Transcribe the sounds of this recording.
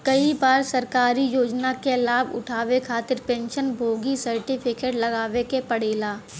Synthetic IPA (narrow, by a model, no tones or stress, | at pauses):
kɐibaːɾsɐɾkaːɾijoːd͡ʒnakelaːbʊ̰ʈʰaːʋekʰaːt̪ɪɾpɛ̃ːnʃənbʱoːɡisɐɾʈɪpʰɪkeːʈlɐɡaːʋekepɐɽeːlaː